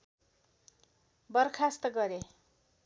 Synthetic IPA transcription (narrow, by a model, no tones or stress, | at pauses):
bʌrkʰast̪ʌɡʌɾe